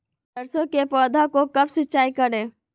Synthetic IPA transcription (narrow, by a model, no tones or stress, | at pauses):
d̪ɐɾsõkepɔːd̪ʱakokɐbsɪtːt͡ʃʃaːikəɾẽː